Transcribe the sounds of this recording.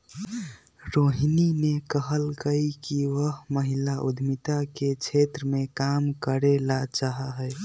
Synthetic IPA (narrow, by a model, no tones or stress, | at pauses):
ɾoɦininekəɦəlkəikiʋəɦməɦilaʔud̪ʱmit̪aket͡ʃʰet̪ɾəmekamkəɾelat͡ʃaɦaɦə